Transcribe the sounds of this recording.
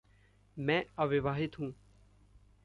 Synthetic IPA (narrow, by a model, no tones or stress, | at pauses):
mɛ̃ːɐʋɪʋaːɦɪt̪ɦũː